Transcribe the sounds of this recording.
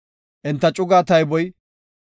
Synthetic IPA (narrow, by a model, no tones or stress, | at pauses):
ʔɪnt̪ːɐt͡ʃʼʊɡaːt̪ɐjbɔj